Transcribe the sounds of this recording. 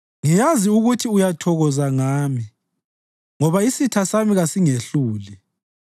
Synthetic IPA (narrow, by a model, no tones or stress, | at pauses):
ŋijaziuɣutʰiujatʰɔɣɔzaŋaːmi | ŋɔβaisitʰasamiɣasiŋeɬuːli